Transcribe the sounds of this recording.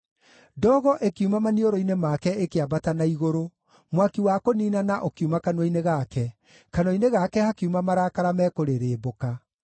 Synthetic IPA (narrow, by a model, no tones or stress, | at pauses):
dɔɣɔʔekumamanioɾoinemakɛekeabatanaiɣoɾo | mwakiwakoniːnanaʔokiumakanwɔineɣakɛ | kanɔineɣakɛhakeumamaɾakaɾamɛkoɾeɾeːboka